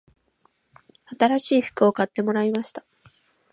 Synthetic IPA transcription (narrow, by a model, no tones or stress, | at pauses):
at̪aɾaɕiːɸɯ̥kɯ̟o̞kat̪ːe̞mo̞ɾaimaɕi̥t̪ḁ